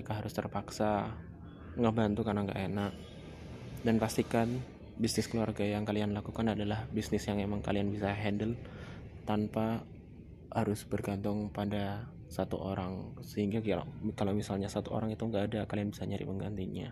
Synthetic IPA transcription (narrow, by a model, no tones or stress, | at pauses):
məekaɦaɾʊst̪ərpaksa | ŋɡaʔbant̪ukarnaŋɡa̰ʔenak̚ | danfast̪ikan | bisnɪskəluarɡajaŋkalianlakukanadalahbisnɪsjaŋemaŋka̰lianbisaɦɛndəlt̪anpa | haɾʊsbərɡant̪ʊŋpada | sat̪ṵʔoɾaŋsəhiŋɡa̰kalowmisalɲasat̪uʔo̰ɾaŋit̪uŋɡaːdakalianbisaɲadḭpəŋɡa̰nt̪iɲa̰